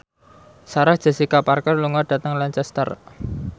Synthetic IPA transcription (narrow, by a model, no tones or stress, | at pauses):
saɾahd̥ʒ̥a̤sikaparkərluŋaɖ̥a̤t̪əŋlaɲt͡ʃɛst̪ə̰r